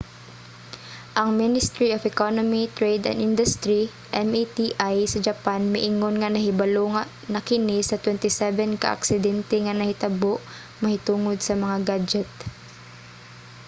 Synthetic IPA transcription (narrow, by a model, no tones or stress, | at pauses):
ʔɐŋmɪnɪst̪ɾiofɛkonomit̪ɹejd̪ɐ̰nd̪ʔɪnd̪ʊst̪ɾi | ʔɛmʔit̪iʔajsɐd͡ʒɐpanmɪʔɪŋonŋɐnɐɦɪbɐloŋɐ | nɐkɪnɪsɐt̪wɛnt̪ɪsɛvɛnkɐ̰ʔa̰ksɪd̪ɛnt̪ɛŋɐnɐhɪt̪ɐboʔ | mɐhɪt̪uːŋod̪̚sɐmɐŋaɡad͡ʒɛt̪̚